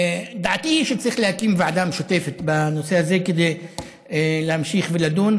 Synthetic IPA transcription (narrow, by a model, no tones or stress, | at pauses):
d̪aʕt̪iʃet͡saʁiχlehakimveʕad̪amʃot̪e̞fet̪bano̞sehaze̞ked̪ej | lehamʃiχvelad̪un